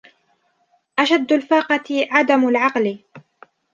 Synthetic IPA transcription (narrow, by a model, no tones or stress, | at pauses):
ʔaʃad̪ːalfɑːqɑt̪ʕad̪amalʕɑql